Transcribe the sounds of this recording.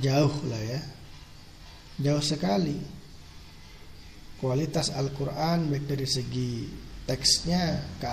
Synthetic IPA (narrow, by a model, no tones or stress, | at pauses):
d͡ʒaʊhlahja | d͡ʒauhsəkali | kualit̪asalkuɾʔanbakəɾisəɡit̪ɛksɲaka